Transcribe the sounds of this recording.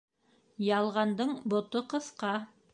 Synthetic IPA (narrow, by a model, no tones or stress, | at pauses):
jɑlˠʁɑnd̪ɤɴbŏt̪oqɤ̆θqɑ